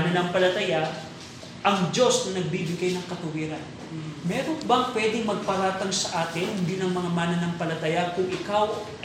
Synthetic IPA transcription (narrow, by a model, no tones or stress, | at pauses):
nɐnɐŋpɐlɐt̪ɐja | ʔɐŋd͡ʒo̞snɐnɐɡ̚bibɪɡajnɐŋkɐt̪ʊwiːɾɐn | mɛːɾo̞nbɐŋpwɛd̪ɪŋmɐɡ̚pɐɾaːt̪ɐŋsɐʔaːk̪ɪnhɪnd̪iːnɐŋmɐŋamaːnɐnɐŋpɐlɐt̪ɐjakʊŋʔɪkaw